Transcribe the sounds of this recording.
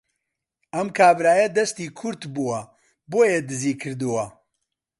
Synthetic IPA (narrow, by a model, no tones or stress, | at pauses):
ʔɐmkʰaːbɾaːjɐd̪ɐst̪iːkʰʊɾt̪buwɐ | boːjed̪ɨziːkʰɨɾd̪uwɐ